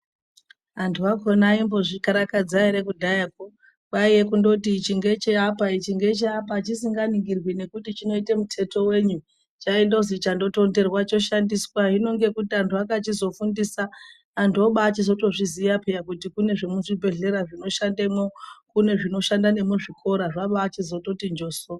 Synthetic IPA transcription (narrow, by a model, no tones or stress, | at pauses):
antʰuako̞naimbo̞ʐikaɾakad͡zaeɾekudʱajak̚o | ɓaijekundo̞tit͡ʃiŋɡe̞t͡ʃeapait͡ʃiŋɡe̞t͡ʃeapat͡ʃisiŋɡaniŋɡirwine̞kutit͡ʃino̞ite̞mutʰe̞to̞we̞ːɲu | t͡ʃaindo̞zit͡ʃando̞to̞nde̞rwat͡ʃo̞ʃandiswaɦino̞ŋɡe̞kutiantʰuakat͡ʃizo̞fundisaː | ntoɓaːt͡ʃizo̞to̞ʐizijapejakutikune̞ʐemuʐibʱe̞ɮe̞ɾaʐino̞ʃandemo̞kune̞ʐino̞ʃandane̞moʐikʰo̞ɾaʐaɓaːt͡ʃizo̞to̞tind͡ʒo̞so